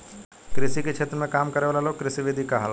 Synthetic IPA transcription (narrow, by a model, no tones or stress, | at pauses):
kɾɪsiket͡ʃʰeːt̪ɾəmẽkaːmkɐɾeʋalaloːkɾɪsiʋɪd̪ʱikaɦal